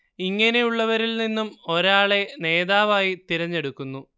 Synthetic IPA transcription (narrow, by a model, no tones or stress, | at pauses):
iŋːɐne̞juɭːɐʋɐɾilninːumo̞ɾaːɭe̞ne̞ːðaːʋaːjit̪iɾɐɲːe̞ɽukːunːu